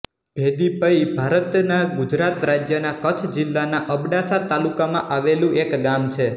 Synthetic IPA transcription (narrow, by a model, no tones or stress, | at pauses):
b̥ʱed̪ibəibʱaɾət̪naɡud͡ʒɾat̪ɾad͡ʒjənakət͡ʃʰd͡ʒɪlːanaʔəbɽasat̪alukamã̰ʔaʋelũekɡamt͡ʃʰe